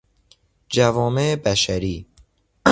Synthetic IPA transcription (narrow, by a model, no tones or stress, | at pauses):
d͡ʒævɔːmeebæʃæɾiː